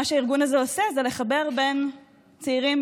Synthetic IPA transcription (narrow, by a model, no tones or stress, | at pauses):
aʃeaiʁɡunazeose̞zele̞χabe̞ʁbe̞n | t͡seiʁim